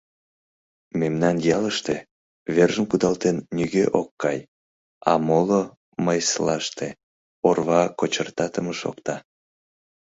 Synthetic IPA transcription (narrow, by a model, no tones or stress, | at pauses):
memnɑnjɑləʃt̪e | βerʒəmkud̪ɑlt̪enːyɣeʔokːɑj | ɑ̰molo | məjslɑʃt̪e | orβɑkot͡ɕərt̪ɑt̪əməʃo̰kt̪ɑ